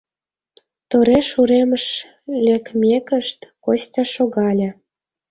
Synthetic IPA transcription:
t̪oɾeʃuɾeməʃ | lʲekmʲekə̆ʃt̪kost̪ʲɑʃoɣɑlʲĕ

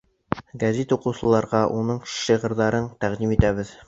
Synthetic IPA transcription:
ɡɐzet̪uqɤ̆wsɤ̆lˠɑɾʁɑʔunɤɴʃiʁɤ̆ɾðɑɾɤɴt̪æʁd̪imit̪æβɘð

